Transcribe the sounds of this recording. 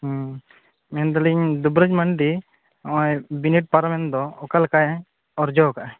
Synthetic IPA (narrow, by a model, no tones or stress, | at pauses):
mɛnd̪aliɲd̪ubɾəd͡ʒmaɳɖĩ | jbiniʈ̚paɾmɛnd̪ɔɔkalkaj | ɔɾd͡ʒɔkaʔ